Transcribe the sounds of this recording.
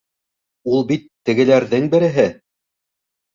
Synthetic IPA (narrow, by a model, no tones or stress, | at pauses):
ulˠbit̪ːɘ̆ɡɘ̆læɾðɘŋbɘ̆ɾɘ̆ɦɘ